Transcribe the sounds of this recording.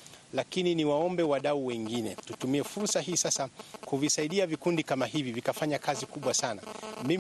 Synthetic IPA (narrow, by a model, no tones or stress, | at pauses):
lakininiwaɔmbɛwaɗauwɛŋɡinɛtutumiɛfuɾsaɦiːsasakuvisaiɗiavikundikamaɦivivikafaɲakazikuɓwasanami